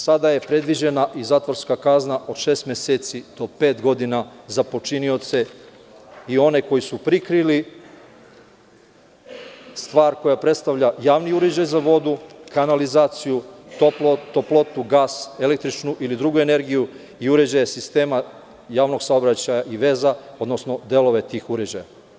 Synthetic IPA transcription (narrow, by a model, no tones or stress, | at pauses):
sad̪ajepɾe̞d̪ʋid͡ʑe̞naʔizaːt̪ʋoɾskakaznaʔo̞d̪ʃe̞ːst̪meseːt̪sid̪o̞pe̞ːt̪ɡo̞d̪inazapo̞t͡ʃinio̞t̪se̞ | io̞ne̞ko̞jisupɾikɾili | st̪ʋaːɾko̞japɾe̞t̪st̪aʋʎajaːʋniuɾed͡ʑajzaʋo̞d̪ukanalizaːt̪sijut̪oplot̪oplˠo̞t̪uɡaːse̞lek̚t̪ɾit͡ʃnuʔilid̪ɾuɡue̞ne̞ɾɡiju | iuɾe̞d͡ʑajesist̪e̞ːma | jaːʋno̞ɡsaobɾat͡ɕajaʔiʋe̞zao̞d̪nosno̞d̪e̞lˠo̞ʋe̞t̪iːxuɾed͡ʑaja̰